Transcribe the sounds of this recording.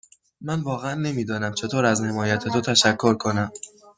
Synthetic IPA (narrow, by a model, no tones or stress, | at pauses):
mænvɒːɣeænːe̞miːd̪ɒːnæmt͡ʃʰe̞t̪ʰoːɾæzne̞mɒːjæt̪ʰet̪ot̪ʰæʃækʰːo̞ɾkʰo̞næm